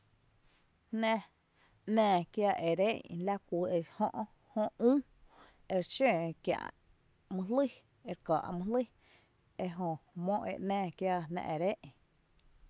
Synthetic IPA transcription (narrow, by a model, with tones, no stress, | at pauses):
hnɛ̃˧ | nɛ̃ː˧˨kja˧ʔe˨ɾe˦ʔla˦kʷi˨e˧shõ˦˧ʔ | hõ˧ʔũː˦ | e˧ɾt͡ʃẽː˦˨kjã̰˧˨ʔ | mũ˧li˦˨ | e˧ɾkaː˨ʔmũ˧li˦ | e˧ɦõ˧˨mõ˧ʔḛ˧˨ʔnɛ̃ː˧˨kja˧nɛ̰̃˧ʔe˨ɾe˦ʔ